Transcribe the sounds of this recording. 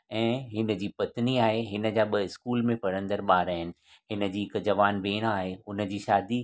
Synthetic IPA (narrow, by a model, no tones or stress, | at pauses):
ɛ̃ːɦɪnə̆d͡ʑiːpɐt̪niaːɦeɦɪnə̆d͡ʑaːɓɐɪskuːlmẽpɐɽə̃nd̪əɾɓaːɾaːɦɪnɪ̆ | ɦɪnə̆d͡ʑiːɪkd͡ʑɐʋaːnbeːɽ̃aːɦeʊnə̆d͡ʑiːʃaːd̪i